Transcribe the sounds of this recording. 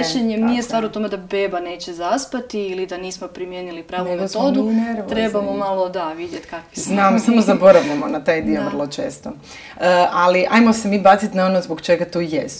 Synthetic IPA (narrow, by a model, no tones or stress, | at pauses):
ʃeɲemnijest̪ʋaːɾot̪o̞med̪abebane̞ːt͡ɕezaspat̪iilid̪aniːsmo̞pɾimjenilipɾaːʋumet̪od̪uɾt̪ɾebamomalˠo̞d̪aʋid̪jet̪kakʋi̥znamsamozabo̞ɾaʋʎamonat̪aːjd̪ioʋr̩lˠo̞t͡ʃe̞̰ːst̪o | əʔaliʔa̰jmo̞se̞miːbaːt̪sit̪naonozbokt͡ʃe̞ɡat̪oːjest̪